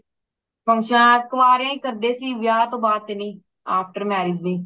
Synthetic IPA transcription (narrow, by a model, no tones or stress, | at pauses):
pʰəŋʃãːkəʋaːɾjãːĩːkəɾd̪eːsiːʋjaːt̪õːbaːd̪̚t̪ːeːnĩː | aːpʰʈəɾmɛːɾiːd͡ʒnĩː